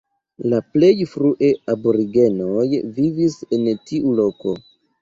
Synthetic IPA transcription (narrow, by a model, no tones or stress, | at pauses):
laple̞jfɾuʔe̞aboɾiɡe̞no̞jvivise̞ntiʔulo̞ko̞